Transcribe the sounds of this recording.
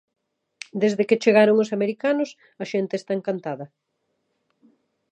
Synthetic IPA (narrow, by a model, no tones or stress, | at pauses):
d̪ezðeket͡ʃeɣaɾoŋʊsameɾikanʊs | ɐʃent̪eːst̪aeŋkant̪aðɐ